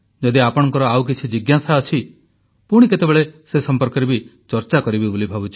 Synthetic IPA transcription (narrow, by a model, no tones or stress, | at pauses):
d͡ʒɔd̪iapɔɽ̃ɔŋkɔɾɔawk̬it͡ʃʰid͡ʒiɡjasaɔt͡ʃʰi | puɽ̃iket̪ebeɭesesɔmpɔɾkɔɾebit͡ʃɔɾt͡ʃakɔɾibibolibʱabut͡ʃʰi